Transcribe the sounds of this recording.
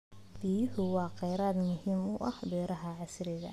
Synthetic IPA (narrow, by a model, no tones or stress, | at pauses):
fiːhʊwɑːqɛjɾaːd̪mʊhiːmʊʔɐ̰hbɛːɾɐɦɐʕɑsɾɪɣɐ̰